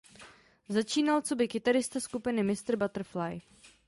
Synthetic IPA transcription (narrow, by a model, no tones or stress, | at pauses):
zat͡ʃiːnalt͡so̞bɪkɪt̪aɾɪst̪askupɪnɪmɪst̪r̩bat̪r̩flaj